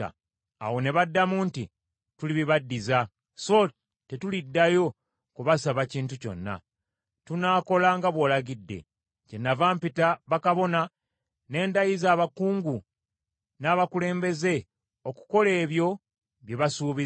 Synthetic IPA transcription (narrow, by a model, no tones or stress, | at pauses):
a̰ | a̰wo̞ne̞βadːamuːnti | tuliβiβadːiza | so̞ | te̞tulidːajo̞ | kuβasaβaciːntuco̞̰nːa̰ | tunaːko̞laŋɡaβwo̞ːlaɡidːe̞̰ | cenːavaːmpitaβakaβo̞na | ne̞ːndajizaːβakuːŋɡu | naːβakule̞ːmbe̞ze̞ | o̞ku̥ko̞le̞ːβjo̞ | βjeβasuːβi